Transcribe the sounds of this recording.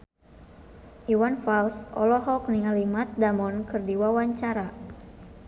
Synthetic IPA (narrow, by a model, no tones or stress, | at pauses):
ʔiwanfalsʔɔ̰lɔɦɔk̚niŋalimat̪̚damɔnkɨrdiwawaɲt͡ʃaɾa